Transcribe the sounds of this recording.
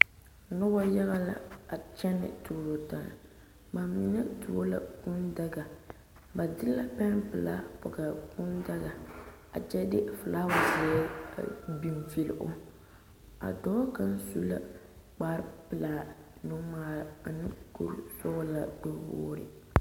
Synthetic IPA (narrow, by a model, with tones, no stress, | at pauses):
nʊ˦ba˦ja˦ɣa˦la̰˨a˨t͡ʃɛ˦nɪ̰˨tu˨lo˨ta˨na̰˨ | ba˨mi˨˦nɛ˦tu˨o˦la̰˨ku˦nda˦ɡa˨ | ba˨dɪ˦la˦pɛ˦npɨ˨la̰˦pɔ˨ɡa˨ku˦nda˦ɡa˨ | a̰˨t͡ʃɛ˦dɪ˦˨fɨ˨laː˦wʊ˨zɛː˨˦˨ | bi˨mfi˦l̰ʔʊ˦ | a̰˨dɔː˦ka˦n˦su˦la̰˦ | k͡pa˦ɾpɨ˨laː˨ | nʊ˦maː˦˨a˨nɨ˦kṵ˦ɾsʊ˦la˨bʊ˦bo̰ː˦ɾɪ̰˨